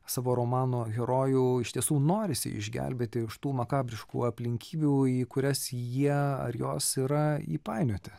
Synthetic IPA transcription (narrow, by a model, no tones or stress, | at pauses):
sɑːʋoːɾomɑːnoːɣʲɛɾoːjuːɪʃt̪ʲiɛsuːnoːɾʲɪsʲɪ̰ɪ̰ʒʲɡʲæ̰lʲbʲeːt̪ʲɪɪʃt̪uːmɐkɑːbʲɾʲɪʃkṵɐpʲlʲɪŋʲkʲʰiːbʲuːiːkʊɾʲɛsjiɛɐ̰ɾjoːsiːɾɐḭpɑɪnʲoːt̪ʲɪ